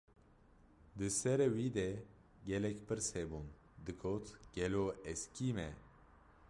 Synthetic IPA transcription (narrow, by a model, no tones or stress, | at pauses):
d̪ɨsɛɾewid̪ɛ | ɡɛlɛkpɨɾsebun | d̪ɨkʰot̪ɡ̥ɛloɛskimɛ̰